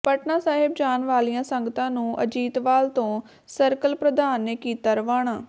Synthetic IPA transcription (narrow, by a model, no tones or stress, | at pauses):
pəʈnaːsaːɦɪb̚d͡ʒaːnʋaːlijãːsəŋɡət̪ãːnũːʔə̰d͡ʒiːt̪ʋaːlt̪õː | səɾkəlpɾəd̪aːnːeːkiːt̪aːɾəʋaːɳaː